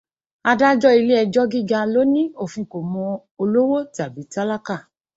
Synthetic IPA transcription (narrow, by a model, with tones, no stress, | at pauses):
a˧da˦d͡ʒɔ˦i˧le˦ɛ˧d͡ʒɔ˦ɡi˦˨ɡa˧lo˦nĩ˦o˦˨fĩ˧ko˨mɔ̃˧ | o˧lo˦wo˦ta˨bi˨˦ta˦la˦ka˦˨